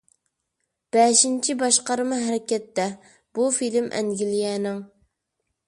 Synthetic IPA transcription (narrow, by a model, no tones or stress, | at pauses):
b̥ɛʃint͡ʃʰibɑʃqɑɾɨmɨɦæɾɪkʲɛt̪ːɛ | b̥ufilmʔɛ̰ŋɡʲilijɛnɪŋ